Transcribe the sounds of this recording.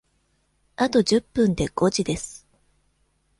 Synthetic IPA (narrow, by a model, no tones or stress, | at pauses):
at̪o̞d͡ʑɨpːɯ̃nd̪e̞ɡ̥o̞d͡ʑid̪e̞sɨ̥